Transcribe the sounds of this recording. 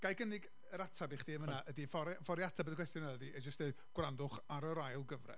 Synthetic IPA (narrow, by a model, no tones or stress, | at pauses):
ɡ̥ajɡənɪɡ | əɾatʰabiχd̥iːmənaʔədifɔɾfɔɾjatʰabɛdəkw̥ɛstjɔnaədiɛd͡ʒəstɛ | ɡ̥wrandʊχaɾəɾajlˠɡəvrɛ̰